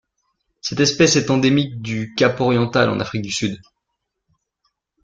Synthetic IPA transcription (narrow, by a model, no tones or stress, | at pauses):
sɛt̪ɛspɛsɛt̪ɑ̃d̪emik̚d̪ykʲapɔʁjɑ̃t̪alɑ̰̃na̰fχik̚d̪ysyd̪